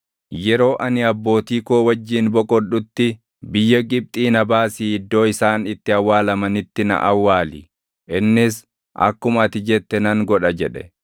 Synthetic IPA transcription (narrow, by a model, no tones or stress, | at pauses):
jɛɾo̞ːʔɐnɪɐbːo̞ːt̪iːkoːwɐd͡ʒːiːnbɔkʼɔɗʊt̪ːɪ | bɪjːɐɡɪp̚t̪ʼiːnɐbaːsiːɪd̪ːo̞ːɪsaːnɪt̪ːɪɐwːaːlɐmɐnɪt̪ːɪnɐ̰ʔɐwːaːlɪ̰ | ʔɪnːɪs | ʔɐ̰kːʊmɐt̪ɪd͡ʒɛt̪ːɛnɐŋɡɔᶑɐd͡ʒɛᶑɛ